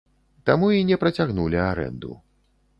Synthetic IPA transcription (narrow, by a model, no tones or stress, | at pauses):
t̪amuinʲɛpɾɐt͡sʲaɣnulʲiaɾɛ̰nd̪ṵ